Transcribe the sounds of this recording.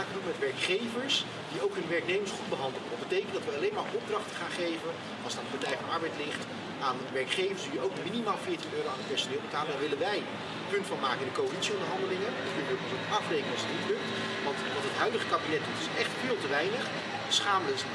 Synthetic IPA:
akənupmɛtʋɛɹkχejvəɹs | d̥iowkɦɵnʋɛɹknejməɹsχud̚bəɦɑndəl̩ˠəʋɑt̚bətejkəntdɑtʋəɑlejnmaːɹʔɔb̚drɑχtə̥χaːnχejvən | ɑlˠstandəbədrɛjfɑnɑɹbɛjtlɪχt | aːnʋɛɹkχejvəɹsdiowkminimaːlˠfɪːɹtinøːɾowanət̚pɛɹsonɪːlˠbətaːləɛnʋɪlənʋɛj | əpɵntfɑnmaːkəɪndəkowəlitsiɔndəɹɦɑndəlɪŋə | kɵnəʋəpətotɑfrejkənɑlˠsətnitlɵk̚t | ʋɑntʋɑntɦətɦœɥdəχəkabinɛt̚dutɪsɛχtfɪːlˠtəʋɛjnəχ | sχaːmlə

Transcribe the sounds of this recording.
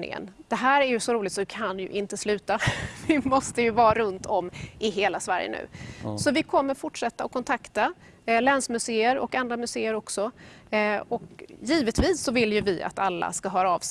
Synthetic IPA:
nɪ̰ŋə̰nd̪̥ɛɦæːɾæɾjɵsɔɾuːlɪt̪sɔvɪkʰanjɵ̰ʔɪnt̪əslʉ̟ːt̪avɪmɔst̪əjɵvɑːɾɵnt̪ʰɔmːʔɪɦeːlasvæɾjə̰nʉ̟̰ːsɔvɪkʰɔmːəɾfʊʈʂɛt̪ːaɔkʰːɔnt̪ʰakt̪a | lɛnsmɵseːəɾɔ̰kand̪ɾamɵseːəɾɔksɔ | ɔkjiːvət̪viːsːɔvɪljɵvɪa̰t̪alːa̰skaɦœːɾaɑːvs

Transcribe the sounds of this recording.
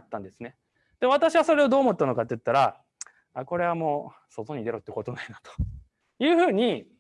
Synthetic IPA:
t̪ːãnd̪esɨne̞ | d̪̥eβ̞at̪aɕiβaso̞ɾe̞o̞d̪o̞ːmo̞t̪ːano̞kat̪ːejɯ̟t̪ːaɾa | ako̞ɾe̞βamo̞ː | so̞t̪o̞ɲ̟id̪e̞ɾo̞t̪ːeko̞t̪o̞nainat̪o̥ | jɯ̟ːɸɯ̟ːɲ̟i

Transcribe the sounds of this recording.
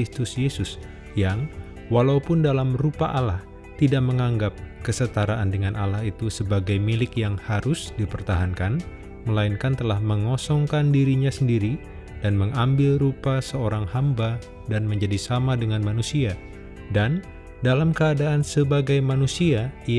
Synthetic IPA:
ist̪ʊsjesʊs | jaŋ | walaupʊndalamrupaʔalah | t̪idaʔk̚məŋaŋɡap̚kəsət̪aɾaʔandəŋanʔalahit̪usəbaɡajmilɪkjaŋhaɾʊsdipərt̪aɦankan | məlainkant̪əlahməŋɔsɔŋkandiɾiɲasəndiɾi | danməŋambɪlrupasəoɾaŋhamba | danməɲd͡ʒadisamadəŋanmanusia | dan | dalamkəadaːnsəbaɡajmanusia

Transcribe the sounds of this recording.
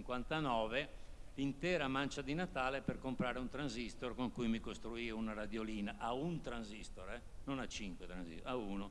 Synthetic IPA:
iŋkwant̪anɔːvelint̪ɛːɾamant͡ʃad̪inat̪aːleperkompɾaːɾeunt̪ɾanzist̪orkoŋkujmikost̪ɾuiunaɾad̪joliːnaʔaunt̪ɾanzist̪oɾɛ | nonat͡ʃːiŋkwet̪ɾanzḭsauːno

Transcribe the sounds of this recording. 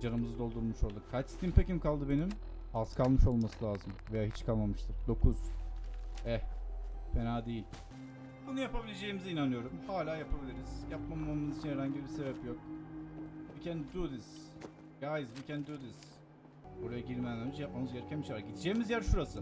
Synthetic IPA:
d͡ʒanɯmɯzɯd̪o̞lˠd̪uɾˠmuʃolˠd̪ukkʰat͡ʃst̪ʰimpʰecimkalˠd̪ɯbe̞nim | az̥kʰalˠmɯʃo̞lˠmasɯlʲaːzɯmve̞jaːɦit͡ʃkʰalˠmamɯʃt̪ʰɯɾ̥d̪o̞kʰuz̥ | ɛ | pʰenaːd̪ejilʲ | onɯjapabilʲed͡ʒe̞jimizinanɯjo̞ɾumhaːlʲaːjapʰabilʲiɾiz̥japmamamɯzit͡ʃʰinheɾaɲɟibise̞bɛpjo̞k̚ | bcʰɛnd̪id̪ud̪iz̥ | jaːjɯzbucʰɛnid̪iod̪iz | oɾajaɟiɾmejænʲæɾmit͡ʃjap̚mamɯzjeɾcʰɛmiʃaɾɟid̪id͡ʒeːimizjæɾʃuɾasɯ

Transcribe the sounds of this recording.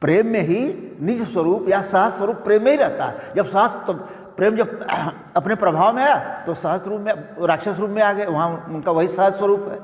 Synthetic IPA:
pɾeːmːẽɦinɪd͡ʒswəɾuːpjasəɦəswəɾuːpːɾeːmːẽɦiɾɛɦt̪a̰ɦɛd͡ʒɐbsɐɦəst̪o | pɾeːmd͡ʒɐb̚ | ɐpnepɾɐbʱaːʋmẽaːat̪osɐɦəsɾuːpmẽɾaːkʃasɾuːpmẽaːɡəeʋɐɦãʊnkaʋɐɦisəɦəswəɾuːpɦɛ̰ː

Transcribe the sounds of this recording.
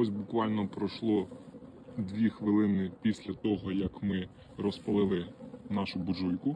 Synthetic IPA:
ɔsʲbʊkʋɑlʲnɔpɾɔʃlˠɔ | d̪ʋʲixʋɪlˠɪnɪpʲisʲlʲɐt̪ɔɦɔjɐkmɪ | ɾɔspɐlˠɪlˠɪnɑʃʊbʊʒujkʊ

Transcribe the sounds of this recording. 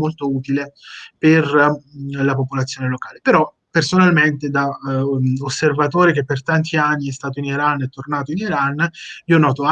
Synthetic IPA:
molt̪ouːt̪ileper | lapopolat̪sːjoːnelokaːlepeɾɔ | pːersonalment̪ed̪a | osːervat̪oːɾek̟epːert̪ant̪ʰianːiɛst̪aːt̪̬oiniɾanːɛt̪ːornaːt̪oiniɾaniːonɔːt̪oa

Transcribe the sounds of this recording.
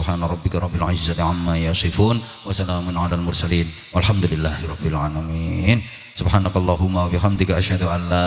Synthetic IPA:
bħaːnaɾˤɑbːɪkaɾˤɑbːɪlʕa̰d͡ʒɪzatʕamːajɑsˤɨfuːn | wasalaːmʊnʕalaːlmʊɾsaliːn | walħamd̪ulɪlːaːhɪɾˤɑbːɪlʕaːlamin | sʊbħaːnakalˤːɑːɦʊmːawabɪxamd̪ɪkaʔaʃhad̪uʔanːa

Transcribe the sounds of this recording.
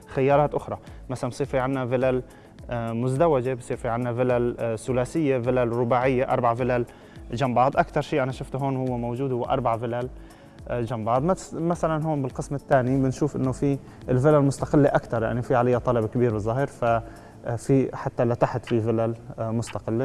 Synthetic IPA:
xɪjːɑːɾˤɑːt̪ʔʊxɾˤɑmasalanbsˤiːɾfiʕanːavɪlal | mʊzd̪awad͡ʒebsˤiːɾfiʕɪnːavɪlalsʊlaːsɪjːevɪlalɾʊbaːʕɪjːeʔɑ̰ɾˤbaʕvɪlal | d͡ʒambɑʕd̪ˤʔakt̪ɑɾˤʃiːʔanaʃʊft̪ɦoːnhʊwːemowʒuːd̪hʊwːeʔɑɾˤbaʕvɪlal | d͡ʒambɑʕd̪ˤmamasalanɦoːnbɪlqɨsmɪt̪ːaːnibɪnʃuːfʔɪ̰nːofi | ɪlvɪlalmʊst̪ɑqɪlːeʔakt̪ɑɾˤja̰ʕnifiʕalajːat̪ˤɑlɑbkabiːɾbɪzˤːaːɦiɾfa | fiħat̪ːalat̪aħɪt̪fivɪlalmʊst̪ɑqɪlːe

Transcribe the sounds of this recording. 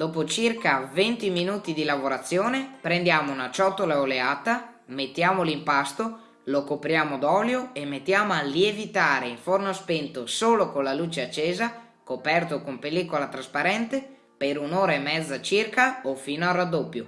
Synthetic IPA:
d̪̥ɔːpot͡ʃirkavent̪iminuːt̪id̪ilavoɾat̪sːjoːnepɾend̪jaːmounat͡ʃɔt̪ːolaoleaːt̪a | met̪ːjaːmolimpast̪o | lokopɾjaːmod̪ɔljoemːet̪ːjaːmoalievit̪aːɾeiɱfornospent̪osoːlokonlaluːt͡ʃeat͡ʃːeːza | kopɛrt̪okompelːiːkolat̪ɾaspaɾɛnt̪e | peɾunoːɾaemːɛd̪zːat͡ʃirkaofiːnoarad̪ːopːjo

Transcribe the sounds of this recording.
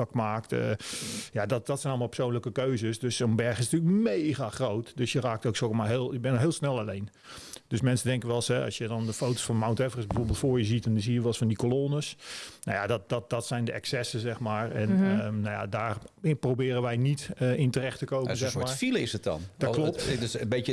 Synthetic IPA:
kmaːk̚tə̰jadɔdɔtsɛjnɔlˠmalˠpərsownləkəkøɥzəsdøsənbɛrxɪsnətyːləkmejɣaxrowtdøsjəraːk̚towksokmaːɦeːlˠɪk̚bɛnəɦeɪːlˠsnɛlˠalejn | d̥øsmɛnsədɛŋkənʋɛlˠshɛɑ̰sjədɔndəfowto̥sfɔnmawntɛvərəsbəfoːɹbɪlˠtfʊːɹjəzitndɔnzijəʋɔlˠsfɔndikoloːnəsno̰jadɔt̚dɔt̚dɔtsɛjndəʔɛksɛsəzɛxmaːɹɛnnaja̰daːrprowbɪːɾənʋɛjnitəɪntərɛxtəkowənzɛxmaːɹfiləɪsəɔ̰ndɔkloptdsbeə

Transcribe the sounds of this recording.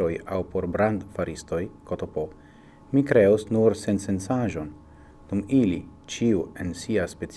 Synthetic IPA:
ojawpo̞ɾbɾand̪faɾisto̞jkotopo | mikɾe̞usnuɾse̞nse̞nsaʒo̞n | d̥umilḭt͡ʃiue̞nsiaspe̞t͡s

